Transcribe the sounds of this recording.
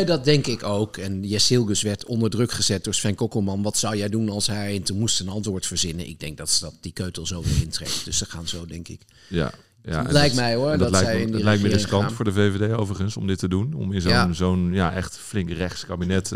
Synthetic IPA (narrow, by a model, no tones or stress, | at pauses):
dɑt̚dɛŋkɪkowkɛnjɛsɪlˠɡøsʋɛɹtʰɔndəɹdrɵkχəzɛt̚d̥ʊːɹsfɛnkokomɑnʋɑtsɑwjɛjdunɑlˠsɦɛjɛntunmustənɑntʋʊːɹtfəɹzɪnə̰nʔɪ̰ɡ̚dɛŋk̚dɑtsdɑt̚d̥ikøɥtəlˠzowʋɪ̰ɹɪntrḛftd̥øssəχaːnzowdɛŋkɪ̰k | ja̰ | ja̰lɛjk̚mɛjɔdlɛjɛjɪnlɛjk̚məəskɑntfʊːɹdəvevedejowvəɹχənsɔmdɪtədunɔ̰mɪnzonzownjaʔɛχtflɪŋkrɛχtskabinɛt